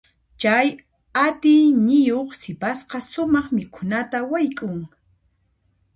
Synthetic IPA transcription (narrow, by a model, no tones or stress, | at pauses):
t͡ʃaj | at̪ɪjnɪjoχsɪpasqɑsʊmɑχmɪkʰʊnat̪awajkʼʊŋ